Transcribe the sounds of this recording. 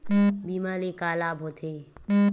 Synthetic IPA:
biːmaːlekaːlaːbʱɦoːt̪ʰeː

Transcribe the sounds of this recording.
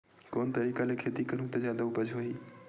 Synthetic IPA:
koːnt̪əɾiːkalekʰeːt̪ikɐɾũt̪ɔzjaːd̪aʊpəd͡ʒɦoːiː

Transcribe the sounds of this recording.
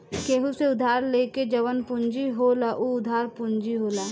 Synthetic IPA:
keːɦuseʊd̪ʱaːɾleːked͡ʒɐʋənpʊɲd͡ʒiɦoːlaʔuʊd̪ʱaːɾpʊɲd͡ʒiɦoːlaː

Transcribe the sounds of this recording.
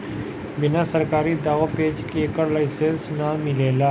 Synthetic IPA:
bɪnasəɾkaːɾid̪aːʋapeːd͡ʒkeeːkəɾlaɪsẽnsnamɪleːlaː

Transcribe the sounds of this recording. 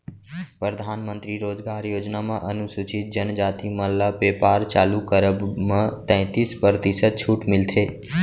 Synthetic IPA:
pɾəd̪ʱaːnmə̃nt̪ɾiɾoːd͡ʒɡaːɾjoːd͡ʒnamãʔənusut͡ʃɪt̪̚d͡ʒənd͡ʒaːt̪iməllːapepaːɾt͡ʃaːlukəɾəbmãt̪ɛ̃ːt̪ispəɾt̪isəd̪̚t͡ʃʰuʈmɪlt̪ʰeː

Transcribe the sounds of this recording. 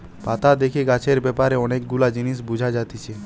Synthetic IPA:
pat̪ad̪ekʰiɡat͡ʃʰeɾbɛpaɾeɔnek̚ɡulad͡ʒinis̬bud͡ʒʱad͡ʒat̪it͡ʃʰe

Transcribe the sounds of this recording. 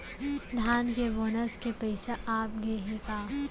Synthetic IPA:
d̪ʱaːnkeboːnəskepɐɪseʔaːp̚ɡeɦekaː

